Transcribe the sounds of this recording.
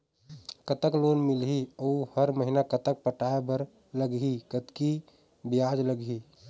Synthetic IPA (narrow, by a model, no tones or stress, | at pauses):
kət̪əkloːnmɪlɦiəuhəɾməɦinakət̪ək̚pəʈaebəɾ | ləɡɦikət̪ki | bijad͡ʒləɡɦi